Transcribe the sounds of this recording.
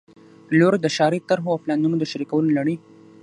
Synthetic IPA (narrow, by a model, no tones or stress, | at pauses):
loɾd̪əʃɑɾit̪aɾɦoawplɑnumod̪əʃaɾikawəlolaɽə